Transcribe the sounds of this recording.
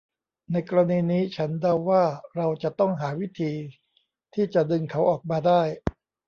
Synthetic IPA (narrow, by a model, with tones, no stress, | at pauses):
na˧jkɔː˧ɾa˧niː˧niː˦˥t͡ɕʰa˦˥nda˧wːaː˥˩ɾa˧wt͡ɕa˨˩t̪ɔ˥˩ŋɦaː˩˦wi˦˥t̪ʰiː˧ | t̪ʰiː˥˩t͡ɕa˨˩dɯ˧ŋkʰa˩˦˥wʔɔː˨˩k̚maː˧daː˥˩j